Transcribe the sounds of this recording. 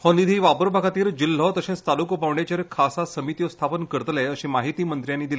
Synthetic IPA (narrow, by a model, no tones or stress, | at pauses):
hɔ̃nd̪id̪ʱiːʋapəɾbʱaɡat̪iːɾd͡ʑil̤ːɔt̪əɕẽt͡st̪alukɔpaʋɳet͡ɕeɾkʰasasəmit̪ijost̪ʰapənkəɾt̪leəɕĩmaɦit̪iːmənt̪ɾjanːiːd̪ile